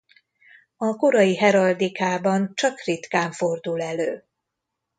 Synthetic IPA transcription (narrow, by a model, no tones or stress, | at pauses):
ɒko̞ɾɒjiɦɛɾɒld̪ikaːbɒnt͡ʃɒkrit̪kaːɱfo̞rd̪ulɛløː